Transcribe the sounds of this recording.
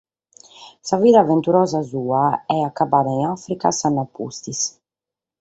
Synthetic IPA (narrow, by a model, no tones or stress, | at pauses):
saviːðavɛnt̪uɾɔːzazuːaɛakːabaːðaiŋafɾika̰sanːapːṵst̪is